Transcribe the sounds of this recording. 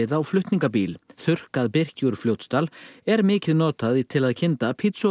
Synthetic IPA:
ɪðaːwflʏht̪niŋkapiːlθʏr̥kaðpɪr̥cuɾfljowt̪st̪alɛɾmɪːcɪðnɔːt̪aðit̪ʰɪlaðcʰɪnt̪apʰit̪sɔ

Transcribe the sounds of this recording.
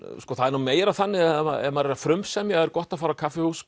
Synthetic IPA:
skɔθaðɛɾnumeːjɾaθanːɪa̰ɛ̰maðɾɛɾafɾʏmsɛmjɛɣɛɾkɔht̪aðfaːɾakʰafɪhusk

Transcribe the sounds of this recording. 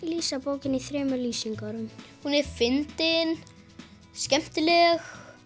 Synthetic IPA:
liːsapoːwcɪniθɾɛːmʏlyːsiŋkaɾʏmhunɛɾfɪnt̪ɪn | scɛm̥t̪ɪlɛx

